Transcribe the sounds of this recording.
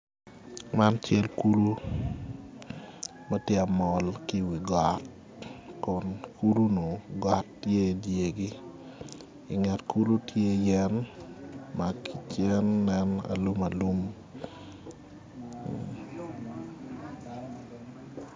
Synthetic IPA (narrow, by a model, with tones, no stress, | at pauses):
ma˦nt͡ʃɛ˦lku˦lu˦ | mɛ˦tje˦a˨mɔ˨lki˦wi˨ɡa˨t̚ | kɔ˨nkʰu˦lu˦no˨ɡa˦tje˦˨dje˨ɡi˦ | ɪ˨ŋa˨tku˦lu˦tʰje˦jɛ˦n | ma˨i˨t͡ʃɛ˦nːɛna̰˨lu˦ma˨lu˦m